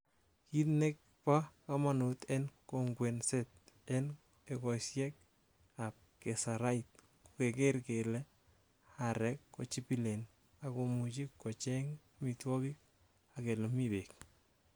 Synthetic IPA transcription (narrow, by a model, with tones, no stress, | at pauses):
ki˦tne˦k̚ | pa˦ka˦ma˨nu˨t̪ɛ˦nko˨ŋɡwɛ˨nset̪̚ɛn | ekɔ˨sjɛ˦k̚ | ap̚ke˨saɾa˦it̚ | kokekeɾkelɛ˦ | aɾɛkːɔ˨t͡ʃi˦pi˦le˨n | a˨ko˨mu˨t͡ʃi˦kːɔ˨t͡ʃɛ˦ŋ | mitwɔ˦kɪ˦ | ake˨lɔ˨mibek̚